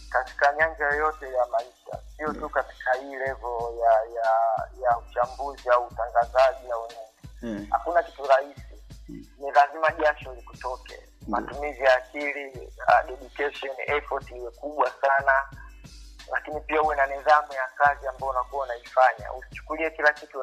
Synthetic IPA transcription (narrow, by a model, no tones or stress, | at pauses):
kati̥kaɲand͡ʒajɔjɔtɛjamaiʃa̰sijɔtukati̥kʰahiːlɛvɔjajajaut͡ʃambuziauːtaŋɡazaʄinawɛɲɛɲɛha̰kunakituɾahisinilazimaʄaʃɔlikutɔkɛ̰ | matumizijaːkilia̰ɗɛɗukɛʃɔnʔɛfɔtiliwɛkuɓwasana | lakinipiahuwɛnanɛðamujakaziambaɔunakuwaunaifaɲa̰usi̥t͡ʃu̥kuliɛkilakitu